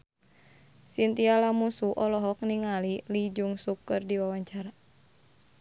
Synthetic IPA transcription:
sint̪ialamusuʔɔlɔɦɔk̚niŋalilid͡ʒuŋsukːɨrdiwawaɲt͡ʃaɾa

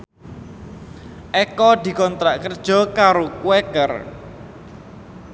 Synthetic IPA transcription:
ʔɛkɔd̪i̤kɔnt̪ɾaʔkərd̥ʒ̥ɔ̤kaɾokuwɛkər

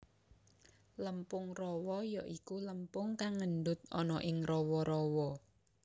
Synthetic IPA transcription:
ləmpʊŋrɔwɔjɔʔikuləmpʊŋkaŋːənɖ̪ʊt̪̚ɔ̰nɔʔɪŋrɔwɔɾɔwɔ

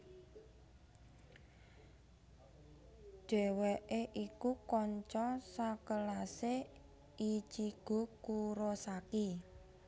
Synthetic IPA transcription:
ɖ̥ɛ̤weʔeʔikukɔɲt͡ʃɔsakəlase | it͡ʃiɡ̥o̤kuɾɔsaki

